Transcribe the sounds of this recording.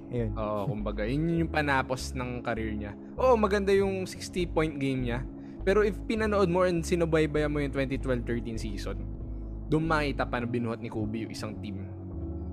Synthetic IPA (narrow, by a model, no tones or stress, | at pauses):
ʔoːʔokʊmbɐɡajʊnjʊnjʊŋpɐnaːpo̞snɐŋkɐɾiɹɲɐ | ʔoːʔomɐɡɐnd̪ajʊŋsɪkst̪ipojnt̪̚ɡejmɲɐ | pɛːɾoʔɪfpɪnɐnoʔo̞d̪̚moʔɛnsɪnʊbɐjbɐjɐmojʊŋt̪wɛnt̪it̪wɛlvt̪ɛɹt̪insiːson | d̪ʊʔnmaːʔiːt̪ɐpɐnobɪnuːhɐt̪nɪkuːbɪjʊ̰ŋʔɪsaŋt̪im